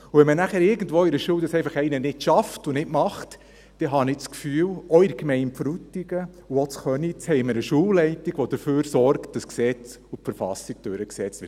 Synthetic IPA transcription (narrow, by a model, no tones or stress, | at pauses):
ʊʋɛnmənæχæːɾɪɾɡən̩dʋoːɪɾəʃuːwdɑsɛɪfɑχɛɪnənɪtʃɑftʊnɪtmɑχt | d̥ɛɦɑnɪt͡skfyːwɔɪɾkmɛɪnpfɾutiɡ̥ə | uot͡sχœnit͡shɛɪməɾəʃuːwlɛɪtiɡ̥ʋod̥̪əɾføːɾsɔrkt̚d̥ɑsksɛt͡s | ʊfɛɾfɑsiɡ̥̚d̥øɾəksɛt͡sɪ